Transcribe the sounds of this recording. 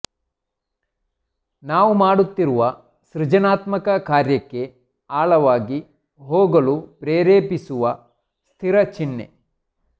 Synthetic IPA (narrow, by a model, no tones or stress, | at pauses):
naːʋumaːɽut̪ːiɾuʋɐ | ʃɾɪd͡ʒɐnaːt̪mɐkɐkaːɾjɐkːe̞ | aːɭɐʋaːɡi | ɦoːɡɐɭupɾeːɾeːpisuʋɐ | st̪ʰiɾɐt͡ʃinːḛ